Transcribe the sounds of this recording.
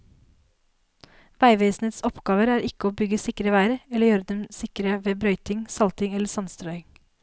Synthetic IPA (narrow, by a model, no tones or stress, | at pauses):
ʋæɪʋeːsneːt̪sɔpɡ̥ɑːʋəɾæːɾʔɪkəoːbʏɡəsɪkɾəʋæɪɾəɛləjøːɾəd̪ɛmsɪkɾəʋeːbɾœʏt̪ɪŋsɑlt̪ɪŋɛləsɑnst̪ɾœʏɪŋ